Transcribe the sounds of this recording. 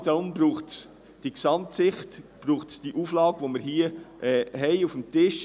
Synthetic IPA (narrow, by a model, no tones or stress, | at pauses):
d̥̪ʊmbɾuːχts | d̥iksɑmtsɪχtb̥ɾuːχtsd̥iʔuːflɑːɡʋoməɾhiːəʔɛːɦɛɪufm̩tɪʃ